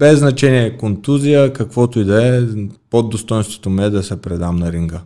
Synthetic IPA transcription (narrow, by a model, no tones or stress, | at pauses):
bɛzːnɐt͡ʃɛniɛkont̪uzijəkɐkvɔt̪ʊid̪ɐɛpod̪ːost̪ɔjnst̪vo̥t̪omiɛd̪ɐsɛpɾɛd̪amnɐɾiŋɡə